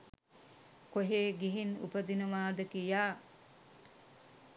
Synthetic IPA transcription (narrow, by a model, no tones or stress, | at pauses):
koɦeːɡiɦinṵpəd̪inəʋaːd̪əkijaː